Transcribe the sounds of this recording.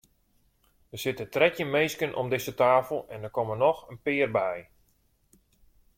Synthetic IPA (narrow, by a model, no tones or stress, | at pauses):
dəsɪtətrɛtjəmejskənʔɔ̰mdɪsətaːfəl̩ˠɛndərkɔmənɔxənpɪːrbɛj